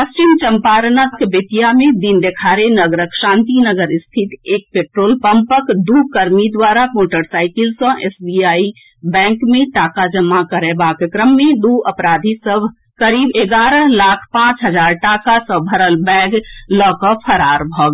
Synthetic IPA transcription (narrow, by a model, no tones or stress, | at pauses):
pəst͡ʃimt͡ʃəmpaːɾnakbɪt̪ijamẽd̪ind̪ekʰaːɾenəɡɾəkʃãːnt̪inəɡəɾɪst̪ʰɪt̪eːk̚peːʈɾoːlpə̃mpəkd̪uːkəɾmid̪waːɾamoːʈəɾsaːɪkɪlsɔ̃ʔeːsbiaːi | bɛ̃ːŋkmẽʈaːkad͡ʒəmːakəɾebaːkəkɾəmːẽd̪uːəpɾaːd̪ʱisəb | kəɾiːbeːɡaːɾəlaːkʰpãːt͡ʃɦəd͡ʒaːɾʈaːkasə̃bʱəɾəlbɛ̃ːɡlɔːkɔpʰəɾaːɾbʱɔːɡ